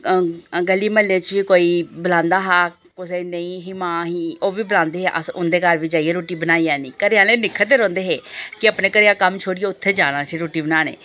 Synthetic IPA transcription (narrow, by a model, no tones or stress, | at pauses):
ɡəlːiːməlːeːt͡ʃʋiːkoːiːbəlãːnd̪aːɦaː | kʊseːnəĩːɦɪmãːɦiːoːʋiːbəlãːnd̪eːɦeːʔə̰sʊnd̪eːkəɾʋiːd͡ʒaːieːɾoːʈiːbənaːiːɛːnĩːkəɾejãːleːnɪkʰːət̪eːɾɔ̃ːnd̪eːɦeːkɪəpnẽːkəɾeãːkəmt͡ʃʰoːɽijeːʊt̪ʰːeːd͡ʒaːnãːt͡ʃʰeɾoːʈiːbənaːnḛ̃ː